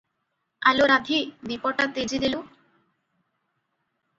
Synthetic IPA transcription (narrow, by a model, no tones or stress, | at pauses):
aloɾad̪ʱibipɔʈat̪ed͡ʑid̪ilo